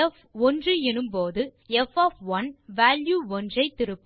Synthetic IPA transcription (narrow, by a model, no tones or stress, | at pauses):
ɛf | ɔndrɯɛnɯmpoːðɯɛfɐːfʋɐnʋaːljuːɔndrɐɪt̪ːɪɾɯpːɯ